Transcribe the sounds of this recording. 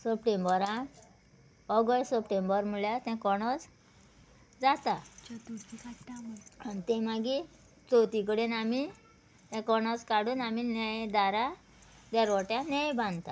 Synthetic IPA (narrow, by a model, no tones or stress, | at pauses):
səpʈembəɾã | ɔɡəʈsəpʈembəɾm̤uljat̪ɛ̃kɔɽ̃ɔt͡s | d͡zat̪at̪uikaamanit̪ɛ̃maɡi | t͡sot̪ik̬əɽenami | t̪ɛ̃kɔɽ̃ɔt͡skaɽuːnaminɛjd̪aɾa | d̪ɛɾɔʈjãnɛ̃jbãnd̪t̪a